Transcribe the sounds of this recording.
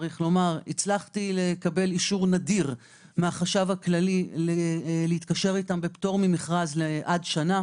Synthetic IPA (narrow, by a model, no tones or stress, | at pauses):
ʁiχlo̞maʁit͡slaχt̪ilekabe̞liʃuʁnadiʁ | meaχaʃavhaklalilleit̪kaʃeʁitambepto̞ʁmimiχʁazleʔadʃana